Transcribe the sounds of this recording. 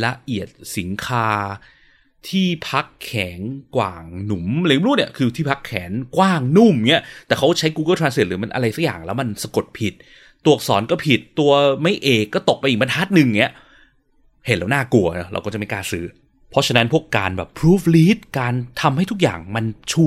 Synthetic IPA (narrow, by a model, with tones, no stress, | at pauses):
la˧ʔi˨˩ət̪̚si˩˦nkʰaː˧ | t̪ʰiː˥˩pʰa˦˥kʰːɛː˩˦ŋkwa̰ː˨˩ŋnu˩˦mlk̪ːu˥˩t̚ni˥˩kʰɯː˧t̪ʰiː˥˩pʰa˦˥kʰːɛː˩˦nkwaː˥˩ŋnu˥˩mŋi˦˥ɐt̪ɛː˨˩kʰa˦˥˩t͡ɕʰa˦˥jkuː˧kɤ˥˩t̪ʰɾaː˧nsi˨˩t̪̚ɾɯː˩˦ma˧nʔa̰˧ɾa˧jsa˦˥k̚ja̰ː˨˩ŋlɛː˦˥wma˧nsa˧ko˨˩t̪̚pʰi˨˩t̪̚ː | u˨˩ək̚sɔ̰ː˩˦nkɔː˥˩pʰi˨˩t̪ːu˧ɐma˥˩jʔeː˨˩kːɔː˥˩t̪o˨˩k̚pa˧ʔiː˨˩k̚ma˧nhʰaː˦˥t̪̚nɯ˨˧ŋ˩ŋi˦˥ɐ | he˩˦nɾaː˧˩naː˥˩ku˧ɐnɔ˦˥ɾa̰˧kɔː˥˩t͡ɕa˨˩mi˧nkaː˧nsɯː˦˥ | pʰɔ˦˥t͡ɕʰa˧na˦˥npʰu˥˩əkːaː˧nbɛ̰ː˨˩pʰɾuː˦˥pliː˦˥t̪̚kaː˧nt̪ʰa˧mha˥˩jt̪ʰu˦˥k̚ja̰ː˨˩ŋma˧nt͡ɕʰu˥˩